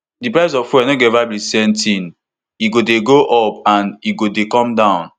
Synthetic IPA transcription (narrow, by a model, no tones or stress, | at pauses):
dipɹaɪs̬ɔffuanoɡɛvablisɛ̃mtĩn | iɡodeɡoʔɔp̚ãniɡodekɔ̃mdãʊ̃n